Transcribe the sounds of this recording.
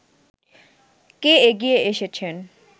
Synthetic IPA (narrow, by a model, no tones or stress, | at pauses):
keeɡieeʃet͡ɕʰen